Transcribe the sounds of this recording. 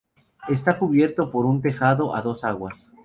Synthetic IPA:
e̞st̪akuβje̞ɾt̪o̞po̞ɾunt̪e̞xaðo̞ʔa̰ðo̞saɣwas

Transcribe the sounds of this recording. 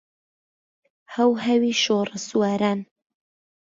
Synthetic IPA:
hɐwɦɐwiːʃorəsuwaːɾaːn

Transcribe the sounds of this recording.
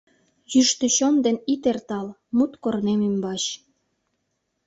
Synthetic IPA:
jyʃt̪əɕond̪enit̪ert̪ɑlmut̪kornemymbɑt͡ɕ

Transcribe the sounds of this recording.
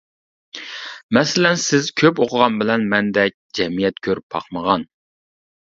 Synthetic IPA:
mɛsɪlɛnsɪzkʲʰøpoqʰəʁɑnbɪlɛnmɛnd̪ɛk̚ʲd͡ʒɛmijɛt̪̚kʲʰøɾpʰːɑ̰χməʁɑn

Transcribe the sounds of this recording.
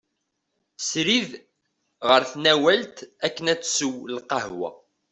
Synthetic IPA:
sɾið | ʁəɾθnæwælt̪ækːənæt͡sːsəwlqɑhwæ̰

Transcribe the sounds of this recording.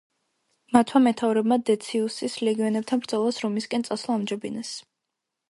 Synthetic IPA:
mat̪ʰmamɛt̪ʰavɾɛbmad̪ɛt̪sʰiusislɛɡiɔnɛb̚t̪ʰanbɾd̪zɔlˠasɾɔmiskʼɛnsʼaslˠaːmd͡ʒɛbinɛs

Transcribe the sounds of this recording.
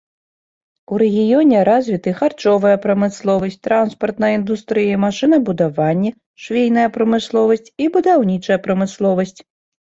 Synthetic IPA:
uɾɛɣʲijɔnʲɛɾazʲvʲit̪ɨxart͡ʂɔvɐjɐpɾɐmɨslˠɔvɐsʲtʲt͡sʲt̪ɾanspɐrt̪nɐjind̪ust̪ɾɨjɐmaʂɨnɐbud̪avanʲːɛ | ʂvʲejnɐjɐpɾɐmɨslˠɔvɐsʲt͡sʲibud̪awnʲit͡ʂɐjɐpɾɐmɨslˠɔvɐsʲt͡sʲ

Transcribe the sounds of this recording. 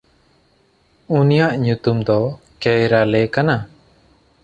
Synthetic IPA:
unijaʔɲut̪umd̪ɔkɛjɾalɛkana

